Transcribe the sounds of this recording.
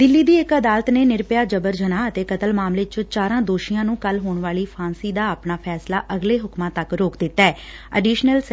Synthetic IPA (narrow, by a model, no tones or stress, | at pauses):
d̪ɪlːiːd̪iːɪkəd̪aːlət̪neːnɪɾpjaːd͡ʒəbəɾd͡ʒənaːət̪eːkət̪əlmaːmleːt͡ʃət͡ʃaːɾãːd̪oːʃɪjãːnũːkəlɦoːɳʋaːliːpʰaːnsiːd̪aːəpnaːpʰɛːsla̰ːʔəɡleːɦʊkmãːt̪əkɾoːkd̪ɪt̪ːɛː | ə̰ɖiːʃnəls